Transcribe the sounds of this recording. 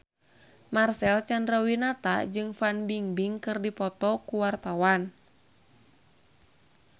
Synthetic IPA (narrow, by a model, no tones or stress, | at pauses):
marsɛlt͡ʃandɾɔwinat̪a̰d͡ʒɨŋfanbiŋbiŋkɨrdipɔt̪ɔkuwart̪awan